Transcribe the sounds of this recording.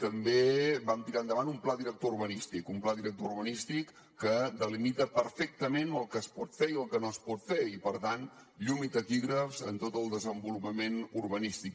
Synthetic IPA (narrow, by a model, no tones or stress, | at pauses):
t̪əmbebamt̪iɾand̪əβanumplaðiɾək̚t̪ouɾβənist̪ikumplaðiɾək̚t̪ouɾβənist̪ikː | əd̪əlimit̪əpəɾfɛk̚t̪əmenəlˠkəspɔt̪feiəlˠkənoəspɔt̪feipəɾt̪anʎumit̪əkiɣɾəfzə̰nt̪ot̪əlˠd̪əzəmbulupəmenurβənist̪ik